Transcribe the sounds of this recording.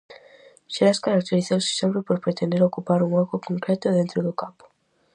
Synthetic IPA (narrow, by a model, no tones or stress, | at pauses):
ʃeɾaskaɾak̚t̪eɾiθowsɪ̥sempɾepoɾpɾet̪end̪eɾokupaɾuŋɔkʊkõŋkɾɛt̪ʊðent̪ɾoðʊkapʊ̥